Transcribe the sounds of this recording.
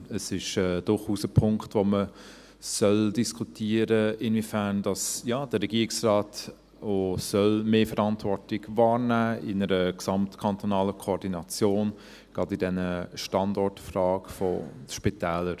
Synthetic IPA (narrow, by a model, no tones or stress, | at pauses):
əsɪʃɛd̥ʊɾχuːsəpʰʊŋktvomə | sœldiskʰutʰiːəɾəɪnvifænd̥ɑsjaːd̥əɾɛɡiːɪksraːt | osœlmeːfəɾɑntvɔɾtɪɡvɑːɾnæːɪnəɾəksɑmtkʰɑntonɑːləkʰoːdinɑt͡sjoːn | ɡ̥ɾɑdidɛnəʃtɑndɔɹtfrɑːɡ̥fɔ̰ʃpitɛːləɾ